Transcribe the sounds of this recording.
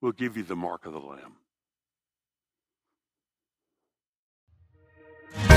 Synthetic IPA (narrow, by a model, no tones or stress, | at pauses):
wilˠɡɪvjɨðɨmɑ̰ɹkʌvðə̰læ̰̃m